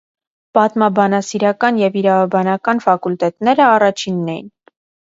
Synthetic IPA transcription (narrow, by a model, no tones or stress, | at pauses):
pɑt̪mɑbɑnɑsiɾɑkɑnjɛviɾɑvɑbɑnɑkɑnfɑkult̪ɛt̪nɛɾəɑrɑt͡ʃʰinːɛjḭn